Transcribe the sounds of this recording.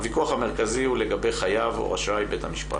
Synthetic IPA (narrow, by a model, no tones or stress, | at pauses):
vikuaχameʁkazihule̞ɡabe̞jχajavo̰ʁa̰ʃajbe̞thamiʃpa̰